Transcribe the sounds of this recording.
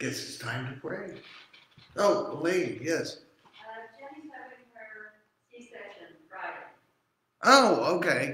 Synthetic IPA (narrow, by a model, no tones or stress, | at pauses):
ɡ̥ɛtsɨ̥stʰãɪ̃mtɨpʰɹ̥eɪ | oʊledjɛs | ʌd͡ʒɛniɛvɨ̃fɛ˞ | isɛʃɨ̃nfɹaɪɾ | ʔoʊoʊkʰeɪ